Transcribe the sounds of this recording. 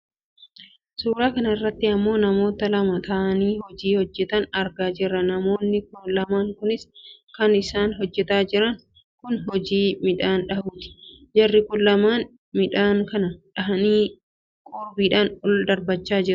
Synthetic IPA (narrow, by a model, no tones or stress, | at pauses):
suːɾaːkɐnɐɪrːɐt̪ːɪɐmːo̞ːnɐmo̞ːt̪ɐlɐmɐt̪ɐʔɐniːhɔd͡ʒiːhɔd͡ʒːɛt̪ɐnɐɾɡaːd͡ʒɪrːɐnɐmo̞ːnːɪkʊlɐmaːŋkʊnɪskɐnɪsaːnɦɔd͡ʒːɛt̪aːd͡ʒɪɾɐŋ | kʊnhɔd͡ʒiːmɪᶑaːnᶑɐhuːt̪ɪ̥d͡ʒɐrːɪkʊnlɐmaːn | mɪᶑaːŋkɐnɐᶑɐɦɐniː | kʼoːbiːᶑaːnʊld̪ɐɾbɐt͡ʃːaːd͡ʒɪɾʊ̥